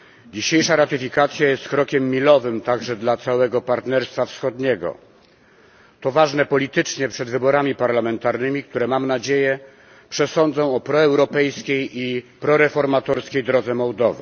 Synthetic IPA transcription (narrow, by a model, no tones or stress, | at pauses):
d͡ʑiɕejʂaɾat̪ɘfʲikat̪sʲjajɛst̪kɾɔkʲɛmːʲilɔvɘmt̪aɡʐɛd̪lat̪sawɛɡɔpaɾt̪nɛɾst̪fafsxɔd̪ɲɛɡɔ̰ | t̪ɔvaʐnɛpɔlʲit̪ɘt͡ʂɲɛpʂɛd̪vɘbɔɾamʲipaɾlamɛnt̪aɾnɘmʲik̚t̪uɾɛmamnad͡ʑejɛ | pʂɛsɔnd̪zɔ̃w̃ɔpɾɔɛwɾɔpɛjskʲejipɾɔɾɛfɔɾmat̪ɔɾskʲejd̪ɾɔd̪zɛmɔwd̪ɔvɘ̰